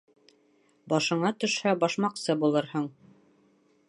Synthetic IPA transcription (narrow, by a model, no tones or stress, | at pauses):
bɑʃɤ̆ɴɑt̪ɵ̆ʃhæbɑʃmɑqsɤbulˠɤɾhɤɴ